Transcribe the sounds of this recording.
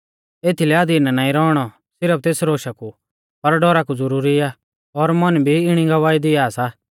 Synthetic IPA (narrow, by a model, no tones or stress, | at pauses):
eːt̪ʰilɛad̪iːnanãːĩɾɔːɽ̃ɔ | sɪɾəp̚t̪eːsɾoːʃaku | pɐɾɖɔɾakud͡zʊɾuːɾia | ɔɾmɐnbʱiɪɽ̃iɡɐʋaːid̪ɪaːsa